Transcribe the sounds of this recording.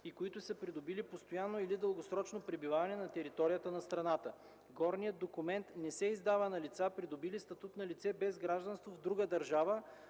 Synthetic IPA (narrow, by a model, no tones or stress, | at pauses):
ikoit̪ʊsəpɾid̪obilipost̪ojanːoilid̪əlˠɡosɾɔt͡ʃnopɾɛbivavɐnɛnɐt̪ɛɾit̪ɔɾijət̪ənɐst̪ɾɐnat̪ə | ɡɔɾnijəd̪̚d̪okumɛnt̪nɛsɛizd̪avɐnɐlit̪sapɾid̪obilist̪ɐt̪ut̪nɐlit̪sɛbɛzɡɾaʒd̪ɐnst̪vovd̪ɾuɡəd̪ɐɾʒavə